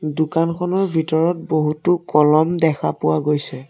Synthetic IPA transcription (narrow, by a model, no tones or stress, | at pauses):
dʊkankʰɔnɔɹbʱitɔɹɔt̚boɦutʊkɔlɔmdɛkʰapʊwaɡojsɛ